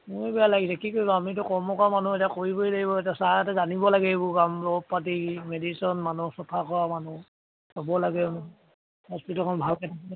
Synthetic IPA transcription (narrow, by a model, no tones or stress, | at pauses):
mʊbɛjalaɡisɛkikoilɔamit̬ʊkɔɹmɔkɔamanuetiakoɹiboidaɡibɔetasaaatɛzanibɔlaɡɛbʊkamlɔb̚pat̬imedisɔnmanusɔtʰakɔɹamanu | ɔbɔlaɡɛm | hɔspitɔlkʰɔnbʱalkɛtʰa